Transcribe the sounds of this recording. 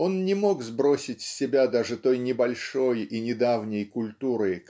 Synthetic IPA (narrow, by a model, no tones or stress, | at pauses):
o̞nnʲɪmo̞kzbɾo̞sʲɪtʲsʲsʲɪbʲad̪aʐɨt̪o̞jnʲɪbɐlʲʂo̞jinʲɪd̪avnʲɪjkʊlʲt̪uɾɨ